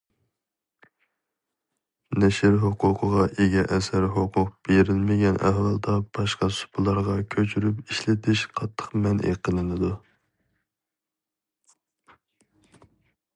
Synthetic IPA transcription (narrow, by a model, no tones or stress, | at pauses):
nɛʃɪɾɦoqʰʊqʰəʁɑʔeɡʲɛʔɛsæɾɦoqʰʊq̚b̥eɾɪlmɪɡʲɛnʔɛ̰hwɑlˠd̪ɑb̥ɑʃqɑsu̥pʰɨlˠɑɾʁɑkʲʰøt͡ʃʰyɾypiʃlɪt̪ʰɪʃqʰɑt̪ʰːə̥qmɛnʔḛqʰəlˠɨnɨd̪u